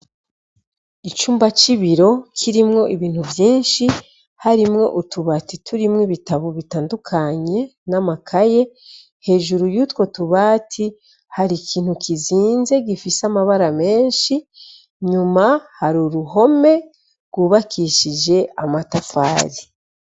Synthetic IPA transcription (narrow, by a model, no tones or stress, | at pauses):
it͡ʃuːmbat͡ʃiβiɾo̞kʰiɾimŋo̞ʔiβiːn̥huvjiːnʃi | haɾimŋo̞̰ʔutuβatitʰuɾimŋiβitaβoβitaːndukʰaɲe̞namakʰaje̞ | he̞ːʒuɾujutwo̞tuβaːtʰi | haɾikʰiːn̥hukʰiziːnze̞ɡifisamaβaɾame̞ːnʃi | ɲumahaɾuɾuɦo̞me̞ | ɾɡuːβakʰiʃid͡ʒe̞amatafa̰ːɾi